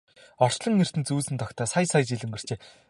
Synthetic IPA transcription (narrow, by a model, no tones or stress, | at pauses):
ɔr̥t͡ɕɮə̆ŋːer̥t̪ɘ̆nt͡suːsɘ̆nt̪ʰɔkt̪ʰœːsajsajt͡ɕiɮɘ̆mɡɘ̆r̥t͡ɕeː